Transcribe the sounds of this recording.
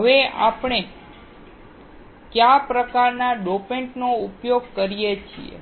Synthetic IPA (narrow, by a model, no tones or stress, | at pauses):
ɦəʋea̰pɳ̃e | kjapɾəkaɾnaɖopeɳʈnoupjoɡ̚kəɾijet͡ʃʰḭḛ